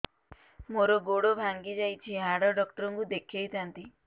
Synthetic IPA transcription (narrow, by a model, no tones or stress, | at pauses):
moɾɔɡoɽobʱaŋɡid͡ʒajt͡ʃʰiɦaɽɔɖɔkʈɔɾɔŋkud̪ekʰjejt̪ʰant̪i